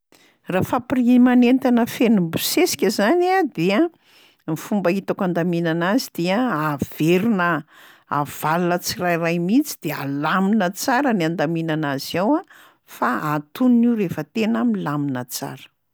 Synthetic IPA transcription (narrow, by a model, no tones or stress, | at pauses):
rafaprimanent̪anəfenumbusesi̥kʲəzaniad̪ea | mifumbəit̪akand̪aminanazid̪̥eəav̥eɾunə | a̰v̥alunət͡sirajrajmit͡si̥d̪̥ea̰laminət͡saɾəniand̪aminanaz̥iawa | faat̪uniniwrefət̪enamilaminət͡sa̰ɾə̥